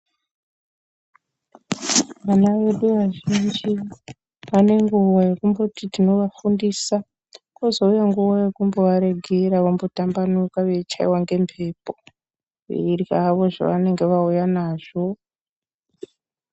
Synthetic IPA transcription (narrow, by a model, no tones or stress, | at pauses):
ʋanaʋe̞ɗuʋaʒind͡ʒi | ʋane̞ŋɡuwaje̞kumbotitino̞ʋafundisa | kozo̞ujaŋɡuʋoje̞kumbo̞ʋaɾe̞ɡʱeɾaʋambo̞tambanukaʋet͡ʃaḭwaŋɡe̞mpʰe̞ːpo | ḭiraʋo̞ʐa̰ʋane̞ŋɡe̞ʋaujanaːʐ̥o̞